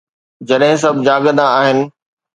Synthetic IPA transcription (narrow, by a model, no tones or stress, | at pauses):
d͡ʑɐɗɦɪ̃s̬ɐbʱd͡ʑaːɡəd̪ãaːɦɪnɪ̆